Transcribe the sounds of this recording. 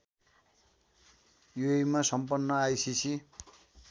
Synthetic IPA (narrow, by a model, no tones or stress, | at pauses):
joejmasʌmpʌnːʌajsisi